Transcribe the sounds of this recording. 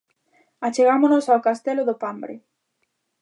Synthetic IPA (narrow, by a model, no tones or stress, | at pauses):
at͡ʃeɣamonosawkast̪ɛloðʊpambɾɪ̰